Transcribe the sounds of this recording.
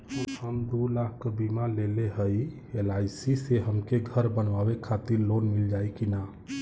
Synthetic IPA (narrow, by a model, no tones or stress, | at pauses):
uhəmd̪ulakkːəbimaleleɦəj | elasiseɦəmkeɡʱəɾbənʋabekʰat̪iɾlonmild͡ʒajkina